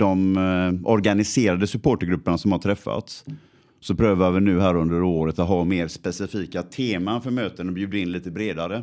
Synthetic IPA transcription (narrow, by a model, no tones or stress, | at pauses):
d̪ɔmʔɔɾɡanɪseːɾad̪əsɵpʰoːʈəɾɡɾɵpːəɳasɔmhaʈʰɾɛfːa̰t̪s | sɔpʰɾøːvavɪnʉ̟ːɦæːɾɵnd̪əɾoːɾət̪at̪ɦɑːmeːɾspɛsɪfiːkat̪ʰeːmanfœɾmøːt̪ənɔbjʉ̟ːd̪əɪnliːt̪əbɾeːd̪aɾə